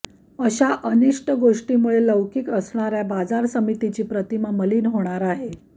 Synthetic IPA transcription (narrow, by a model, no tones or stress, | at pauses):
əɕaʔəniʂʈəɡoʂʈimuɭeləʋkiːkəsɳaɾjabad͡zaɾsəmit̪it͡ɕiːpɾət̪imaməliːnɦoɽ̃aɾaɦe